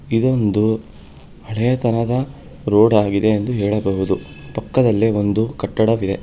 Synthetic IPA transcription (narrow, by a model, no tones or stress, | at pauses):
id̪o̞nd̪u | ɐɭɛjɐt̪ɐnɐd̪ɐ | ɾoːɽaːɡid̪e̞ːnd̪uɦɛːɭɐbɐɦud̪u | pɐkːɐd̪ɐlːio̞nd̪ukɐʈːɐɽɐʋid̪e̞